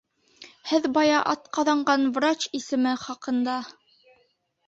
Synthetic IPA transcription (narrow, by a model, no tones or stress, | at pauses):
hɘðbɑjɑʔɑt̪qɑðɑɴɢɑnvrat͡ɕisɘ̆mɘχɑqɤ̆nd̪ɑ